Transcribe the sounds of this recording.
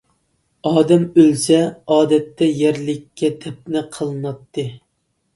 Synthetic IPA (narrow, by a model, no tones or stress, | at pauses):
ɑːd̪ɛmølsɛɑːd̪ɛt̪ːɛjæɾlɪkʲʰːɛt̪ʰɛp̚nɪqʰəlˠɨnɑt̪ːɨ